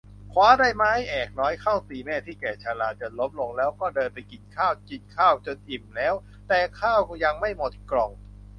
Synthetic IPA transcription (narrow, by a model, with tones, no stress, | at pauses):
kʰwaː˦˥daː˥˩jma˦˥˩jʔɛː˨˩k̚nɔː˦˥jkʰaː˥˩wsiː˧˩mɛː˥˩t̪ʰiː˥˩kɛː˨˩t͡ɕʰaː˧laː˧˩t͡ɕo˨˧˩lo˦˥m̚lo˧ŋlɛː˦˥wkɔː˥˩dɤː˧npa˧jki˨˩n̚kʰaː˥˩wki˨˩n̚kʰaː˥˩wt͡ɕo˧nʔi˨˩mlɛː˦˥w | t̪ɛː˨˩kʰaː˥˩wja˧ŋma˥˩jmo˨˩t̪̚klɔ˨˩ŋ